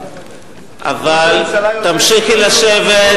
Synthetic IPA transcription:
ʔa̰valt̪amʃixilaʃeve

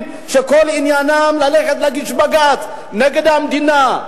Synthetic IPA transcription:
ʃekolinjanamlaleχet̪laɡiʃbaɡat̪ | neɡed̪amd̪ina

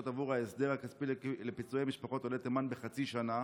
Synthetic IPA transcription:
ot̪avuʁhaesd̪eʁakaspilepit͡suejmiʃpaχo̞t̪olet̪emanbeχat͡siʃana

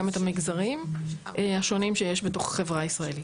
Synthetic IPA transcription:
ametamiɡzaʁim | ʔeaʃo̞nimʃejeʃbeto̞χχe̞vʁaisʁaeli

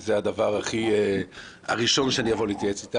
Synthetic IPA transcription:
zead̪avaʁaχie | a̰ʁiʃo̞nʃeanijavo̞leit̪jaet͡sit̪a

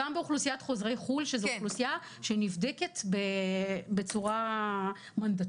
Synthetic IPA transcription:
ambeuχlusijat̪χo̞zʁe̞jχulʃezχlusija | ʃenivd̪eket̪bebet͡suʁa | mand̪at

